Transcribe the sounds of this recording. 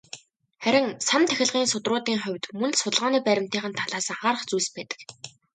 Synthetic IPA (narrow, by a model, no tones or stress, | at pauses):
χæɾʲɪ̆ŋsant̪ʰæxʲɪ̆ɮʁiːnsʊt̪rʊːt̪iːŋχʊ̟wʲt̪mɵnsʊt̪ə̆ɮʁaːniːpæɾʲɪ̆m̥t̪iːχə̆nt̪ʰaɮaːsə̆ŋχaːɾə̆χt͡sujspæːt̪ə̥̆k